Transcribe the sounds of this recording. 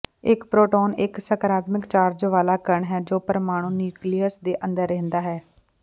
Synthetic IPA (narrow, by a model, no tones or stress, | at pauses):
ɪkpɾoːʈoːnɪksəkəɾaːt̪mɪkt͡ʃaːɾd͡ʒʋaːlaːkəɾəɳɦɛːd͡ʒoːpəɾmaːɽ̃ũːnjuːkliːəsd̪eːʔə̃nd̪əɾːɛ̃ːnd̪aːɦɛː